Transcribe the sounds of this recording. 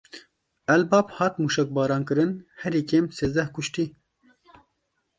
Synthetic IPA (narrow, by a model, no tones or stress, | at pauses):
ɛlbɑːbhɑːt̪muːʃɛk̚bɑːɾɑːnkɨɾɨnhɛɾiːkeːmseːzd̪ɛhkʊʃt̪iː